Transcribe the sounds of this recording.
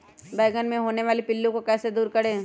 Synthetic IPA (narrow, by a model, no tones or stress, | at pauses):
bɛːɪɡənmẽɦoːneʋaːlipɪlːũkokɛːsed̪uːɾkɐɽẽː